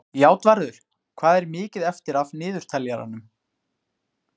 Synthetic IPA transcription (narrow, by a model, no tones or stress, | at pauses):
jaːwt̪vaɾðʏɾ̥ | kʰvaːðɛɾmɪːcɪðɛft̪ɪɾavnɪːðʏɾ̥t̪ʰɛlːjaɾa̰nːʏm